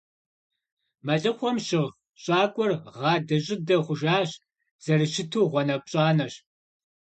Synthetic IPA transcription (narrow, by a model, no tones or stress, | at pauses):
mɐɮɨχʷɔmɕɪʁ | ɕʼɑːkʷʼɔrʁɑːdɐʑʼɪdɐχʷʊʒaːɕ | z̥ɐrɨʃɪtʰuːʁʷɔnɐp̚ʼɕʼɑːnɐɕ